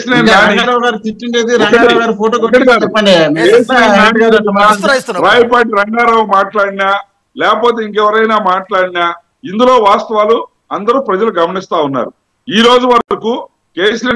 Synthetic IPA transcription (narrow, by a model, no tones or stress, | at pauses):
sneaːɐɡaːɾaʋɡaːɾut̪iʈːiɳɖeːd̪iɾɐɐɐɡaːɾupoːʈoːkoɐiaɐikeːsinenaːniɡaɾɐnaɾaːjip̬aːʈ̬iɾɐŋɡaːɾaːʋumaːʈlaːɽinaː | lɛːkɐpoːt̪̬eiŋkɛʋɐɾɐjnaːmaːʈlaːɽinaː | ind̪ulo̞ːʋaːst̪ɐʋaːlu | ɐnd̪ɐɾuːpɾɐd͡ʒɐluɡɐmɐnist̪aːunːa̰ːɾu | iːɾo̞ːd͡ʒuʋɐɾɾɐku | keːsinɐ